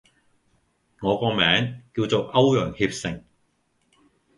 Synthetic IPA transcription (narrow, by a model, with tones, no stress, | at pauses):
ŋɔː˨˧kɔː˧mɛː˨˥ŋkiː˧wt͡so˨wɐ˥wjœː˨˩ŋhiː˧p̚sɪ˨ŋ